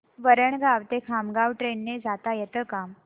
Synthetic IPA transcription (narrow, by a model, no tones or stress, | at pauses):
ʋəɾəɳɡaʋt̪ekʰamɡaʋʈɾenːed͡zat̪ajet̪əkam